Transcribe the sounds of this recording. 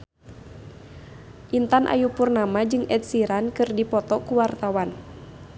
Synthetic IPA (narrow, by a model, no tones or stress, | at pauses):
ʔint̪anʔa̰jupurnamad͡ʒɨŋɛt̪̚siɾankɨrdipɔt̪ɔkuwart̪awan